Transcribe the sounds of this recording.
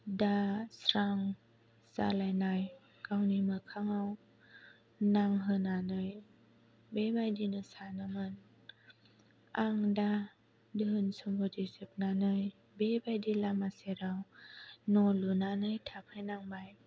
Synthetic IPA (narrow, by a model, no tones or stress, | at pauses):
dasɾaŋ | sa̰lajnaj | kawnimɯkʰaŋaw | naŋɦɯnanɯj | bebajdinɯsanamɯn | ʔaŋda | dɯnsombotisep̚nanɯj | bebajdilamaseɾawnolunanɯjt̪ʰap̚hajnaŋbaj